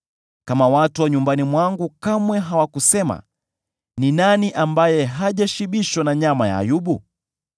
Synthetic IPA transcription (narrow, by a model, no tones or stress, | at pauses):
kamawatuwaɲumbanimwaŋɡukamwɛɦawakusɛma̰ | ninaniʔambajɛɦaʄaʃiɓiʃwanaɲamaja̰ːjuɓu